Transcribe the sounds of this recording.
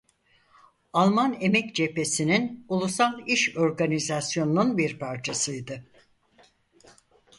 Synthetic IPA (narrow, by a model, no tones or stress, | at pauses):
alˠmane̞mɛcd͡ʒe̞pe̞sininulˠusalˠiʃo̞ɾɡanizasjo̞nununbiɾpʰaɾt͡ʃʰasɯjd̪ɯ